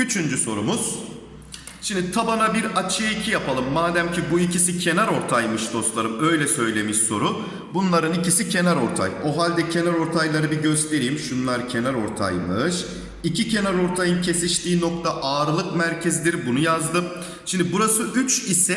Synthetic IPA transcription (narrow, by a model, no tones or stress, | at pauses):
yt͡ʃʰynd͡ʒyso̞ɾumuz̥ | ʃimd̪it̪ʰabanabiɾat͡ʃʰijaicʰijapʰalˠɯmːaːd̪æmcʰibuicʰisicʰe̞naɾo̞ɾt̪ʰajmɯʃd̪o̞st̪lˠaɾɯmø̞jlʲɛsø̞jlʲe̞miʃso̞ɾu | bunlˠaɾɯnicisicʰe̞naɾo̞ɾt̪ʰa̰jo̞ɦalʲd̪ɛcʰe̞naɾo̞ɾt̪ʰajlˠaɾɯbiɟø̞st̪ʰe̞ɾijimʃunlˠaɾcʰe̞naɾo̞ɾt̪ʰa̰jmɯʃ | icʰicʰe̞naɾo̞ɾt̪ʰajɯncʰe̞siʃt̪ʰiːno̞kt̪ʰaʔaːɾɯlˠɯkmæɾcʰɛzd̪ʲiɾbunujazd̪ɯ | ʃimnd̪ibuɾasɯʔyt͡ʃisɛ